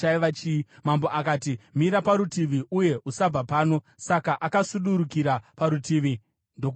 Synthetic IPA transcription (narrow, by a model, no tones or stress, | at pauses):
aiʋat͡ʃimamboʔakaːtimiɾapaɾutiʋiʔuje̞ʔusab͡vapaːno̞ | sakaʔakasuɗuɾukiɾapaɾutiːʋi | ndo